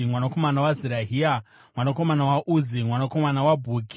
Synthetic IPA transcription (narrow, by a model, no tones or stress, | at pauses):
mwanako̞manawaziɾaɦia | mwanako̞manawaʔuzimwanako̞manawabʱuːɡi